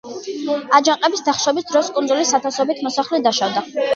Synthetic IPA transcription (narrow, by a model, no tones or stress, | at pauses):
ad͡ʒaŋqʼɛbisd̪aχʃɔbisd̪ɾɔskʼund̪zulisat̪ʰasɔbit̪ʰmɔsaχlɛd̪aʃavd̪a